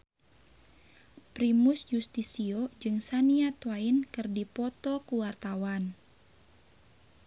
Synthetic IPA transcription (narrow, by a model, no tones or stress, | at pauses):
pɾimusjust̪isiod͡ʒɨŋsaniat̪wainkɨrdipɔt̪ɔkuwart̪awan